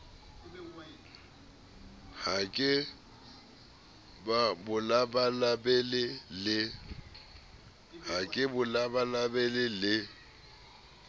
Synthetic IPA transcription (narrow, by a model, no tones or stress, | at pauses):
hakʼɪ | babʊlabalabɛlɪlɪ | hakʼɪbʊlabalabɛlɪlɪ